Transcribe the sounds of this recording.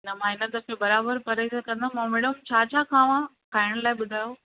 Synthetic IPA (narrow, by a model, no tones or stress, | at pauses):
nɐmãːɪnət̪əkʰebɐɾaːbəɾpɐɾəskɐ̃nd̪ʱãmãːmeːɽəmt͡ɕʰaːt͡ɕʰaːkʰãːʋã | kʰaːɪɽ̃laːɪɓʊd̪ʱaːjoː